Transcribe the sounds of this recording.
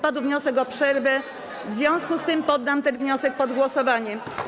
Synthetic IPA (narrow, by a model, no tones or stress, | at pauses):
pad̪wvɲɔsɛkɔpʂɛɾvɛ | vzjɔ̃w̃skust̪ɘmpɔd̪ːamt̪ɛnvɲɔsɛk̚pɔd̪ɡwɔsɔvaɲɛm